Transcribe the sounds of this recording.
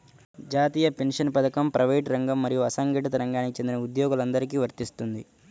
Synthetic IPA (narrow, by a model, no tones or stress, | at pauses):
d͡ʒaːt̪iːjɐpe̞nʂɐnpɐd̪ɐkɐmpɾʔɐʋeːʈɾɐŋɡɐmːɐɾijuɐsɐŋɡiʈɐt̪̬ɐɾɐŋɡaːnikit͡ʃe̞nd̪inɐud̪jɔːɡulɐnd̪ɐɾik̬iːʋɐɾt̪ist̪und̪i